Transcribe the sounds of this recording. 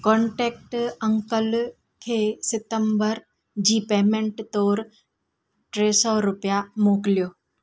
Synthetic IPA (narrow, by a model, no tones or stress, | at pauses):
kɔ̃ɳʈeːk̚ʈə̃ŋkəl | kʰeːsɪt̪əmbəɾ | d͡ʑiːpeːmẽɳʈt̪oːɾ | ʈɾeːsɔɾʊpjamoːklijoː